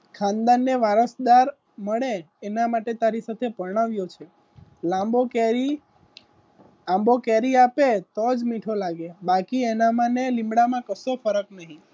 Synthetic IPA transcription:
kʰãnd̪anːeʋaɾəsd̪aɾ | məɭeː | namaʈet̪aɾisat̪ʰepəɾɳ̃aʋjot͡ʃʰe | lãmbokeɾi | ãmbokɛɾiapet̪od͡ʒmiʈʰolaɡebakienamãnelĩmbɽamãkəsofəɾəknəɦĩ

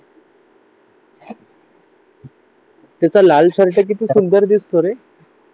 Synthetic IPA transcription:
t̪jat͡salalt͡ɕəɾʈak̬it̪iːsund̪əɾd̪ist̪oɾe

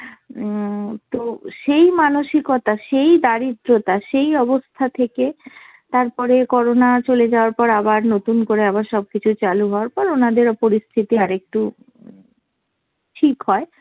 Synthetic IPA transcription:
t̪oʃejmanoʃikot̪aʃejd̪aɾid̪ɾot̪aʃejɔbost̪ʰat̪ʰeke | t̪aɾpɔɾekɔɾonat͡ɕoled͡ʑaoaɾpɔɾabaɾnot̪unkoɾeaβaɾʃɔb̚kit͡ɕʰut͡ɕaluɦɔoaɾpɔɾonad̪eɾɔpoɾist̪ʰit̪iaɾek̚ʈu | ʈʰikɦɔe

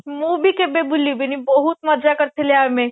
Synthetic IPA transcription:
muːbʱikebebʱʊlibʱenibɐɦut̪mɐɾd͡ʒakɐɾt̪ʰeleaːmẽ

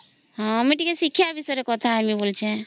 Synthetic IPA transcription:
ɦɔ̃miʈikesikʰjabisɔjɾekɔt̪ʰaamibolt͡ʃʰẽ

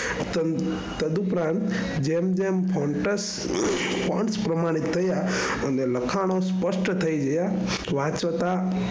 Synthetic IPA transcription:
t̪ə | t̪əd̪upɾãnt̪d͡ʒemd͡ʒempʰoɳʈəs | pʰɔ̃ɳspɾəmaɽ̃it̪ʰːəja | əneləkʰaɽ̃ospəʂʈt̪ʰəid͡ʒəja | ʋãt͡ʃʋət̪a

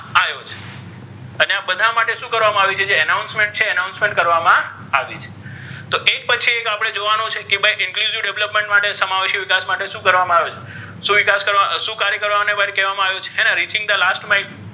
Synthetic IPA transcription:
aʋjot͡ʃʰe̥ | əneabəd̪ʱamaʈeʃũkəɾʋamãaʋet͡ʃʰed͡ʒeənawnsmẽɳʈ̚t͡ʃʰeənaunsmẽɳʈkəɾʋamã | aʋit͡ʃʰe̥ | t̪oʔek̚pət͡ʃʰiekapəɽ̃ed͡ʒoʋanõt͡ʃʰekebʱajʔɪŋkluziʋɖeʋləpmẽɳʈmaʈesəmaʋeʃiʋɪkasmaʈeʃũkəɾʋamãaʋet͡ʃʰe̥ | ʃũʋɪkaskəɾʋaʃũkaɾjəkəɾʋamnebʱaɾkɛʋamãaʋjot͡ʃʰe̥ɦɛnãɾit͡ʃɪ̃ŋɡ̚d̪əlasʈmain

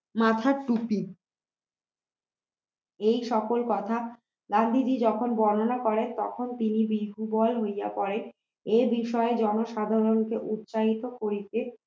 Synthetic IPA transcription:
mat̪ʰaɾʈupi | ejʃɔkolkɔt̪ʰa | ɡand̪ʱid͡ʑid͡ʑɔkʰonbɔnonakɔɾent̪ɔ̰kʰont̪inibiɦubɔlɦojja̰pɔɾe | ebiʃɔed͡ʑɔnoʃad̪ʱaɾonkeʔut̪ːɕaɦit̪okoɾit̪e

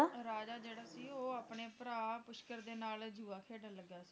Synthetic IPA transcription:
ɾaːd͡ʒaːd͡ʒeːɽaːsiːoːaːpneːpəɾaːpʊʃkəɾd̪eːnaːld͡ʒuːaːkʰeːɖənləɡːjaːsi̥ː

